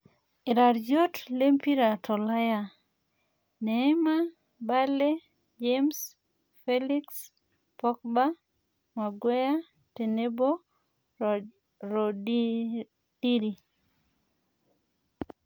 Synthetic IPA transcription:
ɪ˨ɾa˨ɾd͡ʒo˦tle˦mpi˦ɾa˨tʰɔ˨la˦ja˦˨ | nɛ˨ɛ˦ma˦ | ba˦le˦ | d͡ʒems | fe˦li˦ks | pɔ˦k̚ba˦ | ma˨ɡwe˦ja˦ | te˨ne˦bo˦ | ɾo˨ | d̥i˦ɾi˨

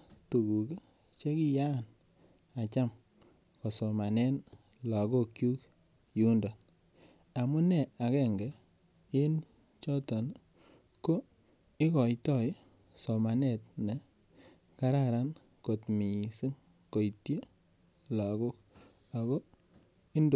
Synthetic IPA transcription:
tu˨ɡu˨ke˦ | t͡ʃe˦ki˦ja˦˨n | a˨t͡ʃa˦m | ko˨sɔ˨ma˨nɛ˦n | la˨ɡo˦kju˦k | ju˦nda˨n | a˨mu˦nɛ˨a˨kɛ˦ŋɡɛ˨ | e˦n | t͡ʃɔ˦tɔ˨n | ko˦ | ɪ˦kɔ˨jtɔ˦˨j | sɔ˨ma˨ne˨tne˨ | ka˦ɾa˨ɾa˦n | ko˨tmi˨si˦ŋ | ko˨jtje˦ | la˨ko˦k̚ | a˨kɔ˦ | i˦ndo˨

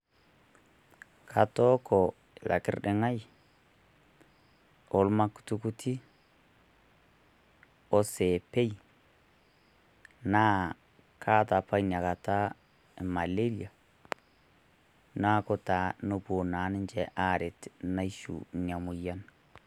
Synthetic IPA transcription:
kʰa˨tɔ˦kɔ˨ | la̰˨kɪ̰˦rdɪ˨ŋa˦j | o˨˦lma˦ku̥tu˦ku˦ti˦ | ɔ˦se˨pe˦j | naː˦ | kʰa˦ta˨pa˦ina˨ka˨ta˦˨ | ma˨le˦lja˨ | na˦ko˦ta˨˦no˦pu˨na˨˦nɪ˦nt͡ʃɛ˨˦ʔa˦ɾɪ˨tna˦iʃṵ˨ɲa˨mʊ˨ja˦n

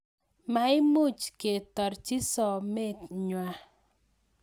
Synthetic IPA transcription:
ma˨˦ɪ˦mo˦˨t͡ʃke˨tɔ˨ɾt͡ʃi˦sɔ˨me˦tɲwa˨

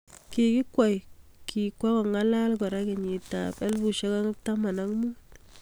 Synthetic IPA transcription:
ke˨kɪ˦kwa˨jki˨kwa˦kɔ˨ŋa˦la˦lkɔ˨ɾa˦kɛ˨ɲi˨ta̰˨pɛ˦lbu˨ʃɛ˦ka˦ŋta˦ma˨na˦ŋmu˦t

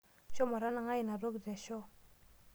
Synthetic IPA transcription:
ɕo˥˨ma˨ɾa˥˨na˨ŋa˥˨ji˨na˨ro˥˨kd͡zɛ˨ɕo˥˨

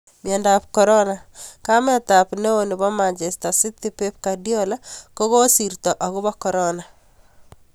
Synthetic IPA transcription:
mjɔ˨nda˨pkɔ˨ɾɔ˦na˨kamɛ˦t̪a˨pne˦o˨nɪ˨bɔ˦ma˨nt͡ʃɛ˨sta˨sɪ˦t̪i˦pe˦p̚kadjɔ˦la˦ko˦koː˦si˨ɾt̪ɔ˨ʔɔ˨ɡʊ˦bɔ˦kɔ˨ɾɔna˨

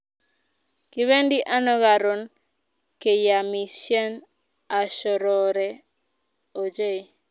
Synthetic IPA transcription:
ki˦βe˦ndi˦ʔa˦nɔ˦ɡa˨ɾo˨n | ke˨ja˨mi˨ʃjɛ˦n | a˨ʃɔ˨ɾɔ˨ɾɛ˨ | o˨d͡ʒe˦˨

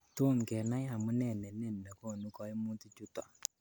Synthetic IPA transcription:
to˦˨nkɛ˨na˦ja˨mu˦nɛ˨nɛ˨nɛ˦˨n˨nɛ˨ko˦˨nu˦kɔ˦i˦mu˦ti˦t͡ʃu˦ta̰˨

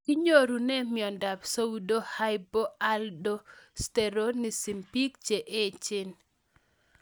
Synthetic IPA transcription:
ki˦ɲo˦ɾu˨nɛ˦mɪɔ˨nda˨bso˦u˦do˦ha˦jbo˦a˦ldo˦stɛ˨ɾo˦ni˨si˨mpi˦k̚t͡ʃe˨ʔe˦t͡ʃɪ˦n

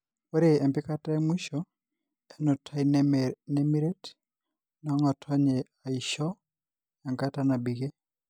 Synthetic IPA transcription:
o˦ɾe˨ɛ˨mpɪ˦ka˦ta˦mwi˦ʃɔ | ɛ˦nɔ˨tʰa˦inne˦mi˦ɾe˦t | nɔ˨˦ŋɔ˨tʰɔ˦ɲe˨a˨i˨ʃɔ˦ | ja˨ŋɡa˦ta˦na˨bi˨ɡe˦

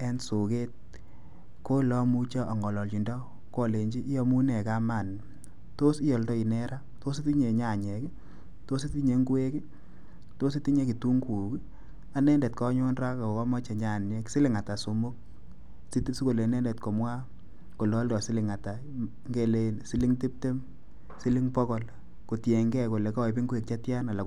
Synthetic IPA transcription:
ɛ˦nso˨ke˦t̚ | ko˦lɔ˦mu˦t͡ʃɔ˦ʔa˨ŋɔ˨lɔ˨lt͡ʃi˨ndɔ˦ | kɔ˦˨le˨ɲd͡ʒi˦ʔːjɔ˧mu˦nɛ˨ka˦ma˦˨n | to˦si˦jɔ˨ldɔ˦i˨nɛ˦ɾa˦ | to˦se˦ti˦ɲe˨ɲa˨ɲɛ˨ki˦ | to˦s̬e˦ti˦ɲe˨˦ŋɡu˦e˦kɪ˦ | to˦s̬e˦ti˦ɲe˦ki˨tu˦ŋku˨k | a˨nɛ˦ndɛ˨tkɔ˦ɲo˦nra˦ka˨o˨kɔ˦mɔ˦t͡ʃe˨ɲa˦˨nje˦ksɪ˦lɪ˨ŋa˨ta˨so˨mʊ˦k̚ | si˦si˦ko˨le˨˦nɛ˦ndɛ˨tkɔ˨mwa˦ | ko˨lɔ˦ldɔ˨sɪ˦lɪ˨ŋa˨ta˨ | ŋɡe˨le˨nsi˦li˦ŋti˦p̚te˦m | si˦li˦ŋpɔ˦kɔ˨l | ko˨tje˨ŋɡɛ˦ko˨le˨ka˦˨pi˦ŋɡu˦e˨k̚t͡ʃa˦tja˦na˨la˨

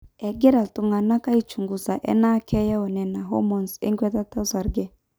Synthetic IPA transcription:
ɛ˨ɡɛ˦ɾa˨lt̪u˨ŋɡa˨nːa˦ka˦i˦t͡ʃu˨ŋɡu˨sa˨ʔɛ̰˦na˦kɛ˦ja˦wɔ˨nɛ˨na˨ɦɔ̰˦mɔ˨nsḭ˦ŋkʷɛ˦t̪a˦t̪ːa˦sa˨ɾɡɛ˦˨

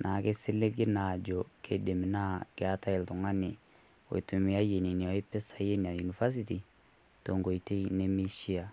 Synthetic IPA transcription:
nʔa˨ke˦si˦le˦ɡe˦na˨d͡ʒo˨kʰe˨de˨mi˨na˦ke˦a˦ta˦e˨lto˨ŋa˦ne˨ | wo̰˨tu˨mi˨a˦je˨ni˨ni˨wa˦i˦pe˦sa˨˦je˦n˨a˨ju˨ni˨fa˦s̬iti˨ | to˨ŋɡo˨i˨te˦i˦ne˦mi˦ʃi˦a˨

